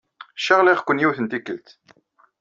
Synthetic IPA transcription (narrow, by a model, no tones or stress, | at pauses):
ʃəʁliχkʷːənjiwθənt̪ikːəlt̪